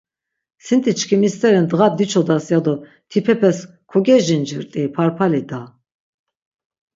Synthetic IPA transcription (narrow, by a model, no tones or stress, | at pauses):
sint̪ʰʼit͡ʃʰkʰimist̪ʰʼɛɾɛnd̪ɣad̪it͡ʃʰɔd̪asjad̪ɔ | t̪ʰipʰɛpʰɛs | kʰɔɡɛʒind͡ʒiɾt̪ʼipʰaɾpʰalid̪a